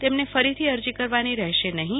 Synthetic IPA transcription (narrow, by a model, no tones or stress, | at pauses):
t̪emnefəɾit̪ʰiəɾd͡ʒikəɾʋaniɾɛɦʃenəɦĩ